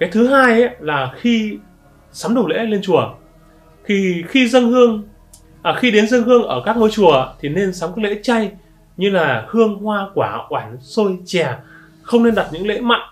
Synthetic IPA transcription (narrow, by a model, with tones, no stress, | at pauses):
kaː˨˦jt̪ʰɨ˨˦ɦaː˧jʔlaː˨˩xi˧ | saː˨˦mɗə˨˩wlḛ˧˥le˧nt͡ɕu˧˩ə | t̪ʰi˨˩xi˧zə˧ŋhɨ˧əŋ | ʔaː˨˩xi˧ɗe˨˦nzə˧ŋhɨ˧əŋʔəː˧˩kaː˦˥k̚no˧jt͡ɕu˧˩ət̪ʰi˨˩ne˧nsaː˨˦mkɔ˨˦lḛ˧˥t͡ɕa˧j | ɲɨ˧laː˨˩hɨ˧əŋhwaː˧kwaː˧˩ʔwaː˧˩nso˧jt͡ɕɛ˨˩ | xə˧wŋ͡mne˧nɗa˨˩t̚ɲɨ̰˧˥ŋlḛ˧˥ma̰˧˨jŋ